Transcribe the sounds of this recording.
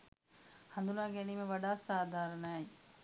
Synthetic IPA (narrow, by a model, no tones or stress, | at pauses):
hɐ̃nd̪ulãːɡenimẽʋɐɖaːsaːd̪ʱaːɾənɛː